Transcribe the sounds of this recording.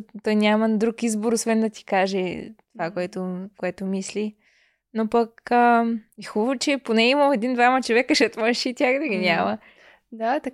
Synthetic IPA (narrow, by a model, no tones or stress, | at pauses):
t̪ɔjnʲaməd̪ɾukizboɾosvɛnd̪ɐt̪i̥kaʒɛt̪ovakoɛt̪okoɛt̪ʊmisli | nopɐkəixuvot͡ʃɛponɛimɐmɛd̪ind̪vamɐt͡ʃovɛkəʃɛt̪mənʃit̪ʲjaxd̪ɐɡʲinʲamə | d̪at̪ɐ